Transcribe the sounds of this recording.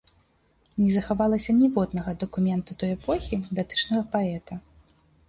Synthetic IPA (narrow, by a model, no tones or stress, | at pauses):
nʲɛzɐxavalˠɐsʲɐnʲivɔd̪nɐɣɐd̪ɐkumʲɛnt̪ud̪ɔjɛpɔxʲid̪at̪ɨ̥t͡ʂnɐɣɐpaɛt̪ɐ